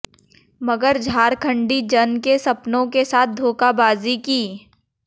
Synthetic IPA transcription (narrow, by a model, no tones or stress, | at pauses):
mɐɡəɾd͡ʒʱaːɾkʰə̃ɳɖid͡ʒɐnkesɐpnõkesaːt̪̚ʰd̪ʱoːkabaːzikiː